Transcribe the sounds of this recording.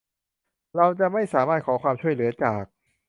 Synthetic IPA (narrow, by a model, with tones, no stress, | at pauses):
ɾa˧wt͡ɕa˨˩ʔma˥˩jsaː˩˦maː˥˩t̪̚kʰɔː˩˦kwaː˧mt͡ɕʰu˥˩əjlɯ˩˦ɐt͡ɕaː˨˩k̚